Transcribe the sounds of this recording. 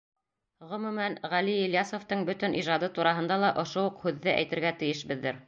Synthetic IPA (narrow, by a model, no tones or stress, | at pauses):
ʁɵ̆mʉmænʁæliiljɑsŏft̪ɤɴbɵ̆t̪ɘ̆nʔiʒɑd̪ɤt̪uɾɑɦɤ̆nd̪ɑlˠɑʔŏʃouqhʉðːɘʔæ̰jt̪ɘ̆ɾɡæt̪ɘ̆jɘ̆ʃbɘ̆ðːɘɾ